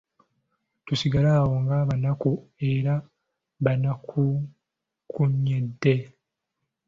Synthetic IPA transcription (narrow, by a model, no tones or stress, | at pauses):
tusiɡalaːwo̞ŋɡaːβanakue̞ɾa | βanakʰu | kʰuɲːedːe̞